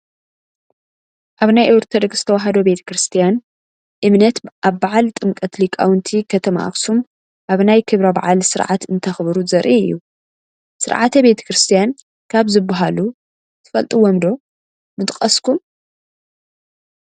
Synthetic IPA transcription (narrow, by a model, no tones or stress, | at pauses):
ʔaβnajʔowɾt̪ʰɐd̪ɨɡz̥ɨ̥t̪ʰɐwaɦɐd̪o̞be̞t̪ʰɐ̥kɾɨst̪ʰijan | ʔɨmnɐt̪ʔaβbaʕalt̪ʼɨmkʼɐt̪likʼawnt̪ʰikʰɐt̪ʰɐma̰ʔa̰xsum | ʔaβnajkʰɨβɾɐba̰ʕalsɨɾʕa̰t̪ɨnt̪ʰɐxβɾuzɐɾʔiɨ̰jːu | sɨ̰ɾʕat̪ʰɐbe̞t̪ʰɐ̥kɾɨst̪ʰijan | kʰaβzɨbːaɦalu | t̪ʰɨ̥fɐlt̪ʼiwɔmd̪o̞ | mɨt̪ʼkʼɐskʰum